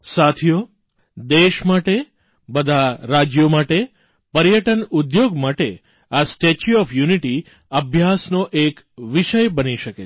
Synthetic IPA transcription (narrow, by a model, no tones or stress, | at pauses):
sat̪ʰijo | d̪eʃmaʈe | bəd̪ʱaɾad͡ʒjomaʈe | pəɾjəʈənud̪joɡmaʈe | asʈet͡ʃuɔfjuniʈi | əbʱjasnoʔek | ʋiʃəjbəniʃəke